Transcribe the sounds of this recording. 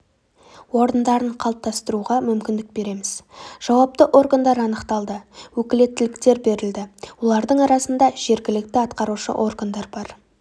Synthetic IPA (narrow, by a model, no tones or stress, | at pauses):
wo̞ɾənd̪ɑɾəɴqʰɑlˠp̚t̪ʰɑst̪əɾuʁɑmʏmkʲɪnd̪ɪk̚be̞ɾe̞mɪz̥ʒ̥ɑwɑp̚t̪əʔo̞ɾɡand̪ɑɾɑnəqt̪ɑlˠd̪əwɵkʲɪle̞t̪ːɪlɪkt̪e̞ɾbe̞ɾɪld̪ɪwo̞lˠɑɾd̪əɴɑɾɑsənd̪ɑʒ̥e̞ɾɡʲɪlɪk̚t̪ɪɑt̪qɑɾuʃə̰ʔo̞rɡand̪ɑɾbɑɾ